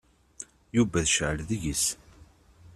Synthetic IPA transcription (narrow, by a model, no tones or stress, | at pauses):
juvæðʃʕəlðiʝis